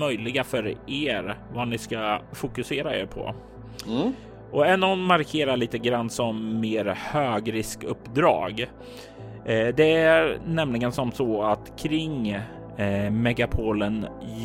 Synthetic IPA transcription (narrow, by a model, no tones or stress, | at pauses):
œjlɪɡafœɾeːɾvanɪskafʊkɵseːɾaḛɾpʰɔ̰ | ʔɔɛnːɔnːmaɾkʰeːɾaɭiːt̪əɡɾand̪sɔmːeːɾhøːɡɾɪskɵpːd̪ɾɑ̰ːɡ | d̪ɛænɛmlɪɡənsɔmsɔat̪kʰɾɪŋ | mɛɡapʰoːlən